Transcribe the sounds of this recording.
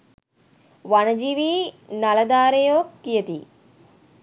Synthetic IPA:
ʋanəd͡ʒiʋiː | naləd̪aːɾejoːkːijət̪i

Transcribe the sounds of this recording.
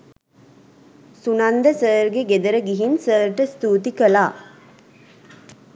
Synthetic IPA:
sunand̪əsəːɾɡeɡed̪əɾəɡiɦinsəːɾʈəst̪uːt̪ikəlaː

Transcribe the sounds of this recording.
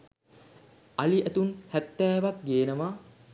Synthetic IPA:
aliʔæt̪unhæt̪ːɛːʋak̚ɡeːnəʋa

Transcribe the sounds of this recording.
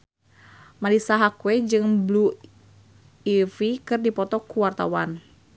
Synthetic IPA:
malisaɦakuwɛd͡ʒɨŋblu | ifikɨrdipɔt̪ɔkuwart̪a̰wan

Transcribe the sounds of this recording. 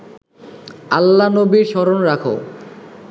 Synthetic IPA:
alːanobiɾʃɔɾonɾakʰo̰

